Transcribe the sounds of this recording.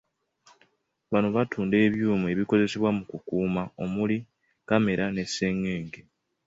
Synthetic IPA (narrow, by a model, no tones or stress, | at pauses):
βano̞βatʰuːnde̞ːβjuːmue̞βiko̞ze̞se̞βwamukukuːmao̞muli | kame̞ɾane̞se̞ŋːeːŋɡe